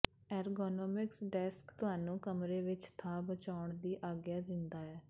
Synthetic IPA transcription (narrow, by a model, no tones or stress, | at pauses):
ɛːɾɡoːnɔːmɪksɖɛːskt̪ʊɦaːnũːkəmɾeːʋɪt͡ʃt̪ʰaːbət͡ʃaːʊɳd̪iːʔaːɡjaːd̪ɪnd̪aːɛː